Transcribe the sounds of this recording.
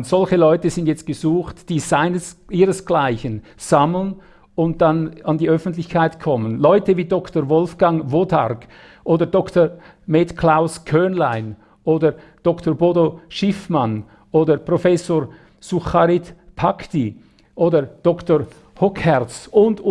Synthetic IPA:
z̥ɔlçəlɔʏtəzɪndjɛt͡st̚ɡ̥əzuːxtd̥iːzaɪnəsʔiːɾəsɡ̥laɪçən | z̥ɑmlən | ʊnt̚d̥anɑndiʔœfn̩tlɪçkʰaɪtkʰɔmənlɔʏtəviːdɔktəʁvɔlfɡ̥ɑŋvoːda̰ɾɡ | ʔoːdədɔktə | meːtkʰl̥aʊskʰœnlaɪn | ʔoːdəd̥ɔktʰoboːdoʃɪfman | ʔoːdəpʁ̥ofɛsoːɹ | suχaɾitpʰakti | ʔoːdəd̥ɔkto | hɔkhɛɾt͡sʊnd

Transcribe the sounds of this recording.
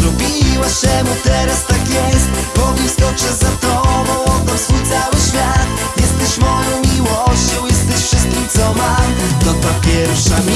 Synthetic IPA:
ɾɔbʲiwaɕɛmut̪ɛɾast̪akjɛst̪bɔvʲist̪ɔpʂɛzat̪ɔvɔ̃wɔd̪ɔɾsfujt̪sawɘɕfʲjat̪ | jɛst̪ɛɕmɔjɔ̃w̃mʲiwɔɕt͡ɕɔ̃w̃jɛst̪ɛɕfʂɨst̪̚kʲimt̪sɔmamd̪ɔt̪ɔpʲjɛɾfʂamʲ

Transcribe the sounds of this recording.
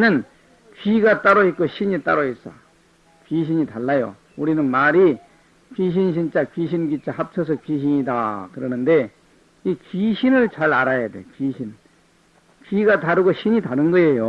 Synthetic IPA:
nɯn | kɥiɡat͈aɾoik͈oɕʰiɲit͈aɾois͈a̰ | kɥiɕ̬ʰiɲitaɭːajo̰ | uɾinɯnmaɾi | kiɕ̬ʰinɕ̬ʰint͡ɕ͈akɥiɕ̬ʰinɡit͡ɕ͈ahap̚t͡ɕʰʌs̬ʰʌkiɕ̬ʰiɲidakɯɾʌnɯnde̞ | ikɥiɕʰinɯɭt͡ɕaɾaɾajade̞̰kɥiɕʰin | kɥiɡataɾɯɡoɕʰiɲitanɯnɡʌe̞jo

